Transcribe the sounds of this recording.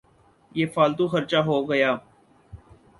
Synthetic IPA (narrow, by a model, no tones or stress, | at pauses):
jeːfaːlt̪ũːxəɾt͡ʃaːɦoːɡəjaː